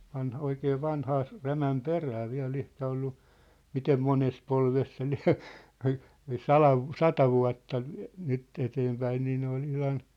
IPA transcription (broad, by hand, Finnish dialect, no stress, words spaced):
ʋɑnhoikeː ʋɑnhɑː s ræmæm peræː ʋiæ̝l ehkæ olːu mitem mones polʋes se liæ̝ ɑi ɑi sɑlɑʋ ʋu sɑtɑ ʋuɑ̝tːɑ nyt eteːmpæin niː ne ol ihlɑn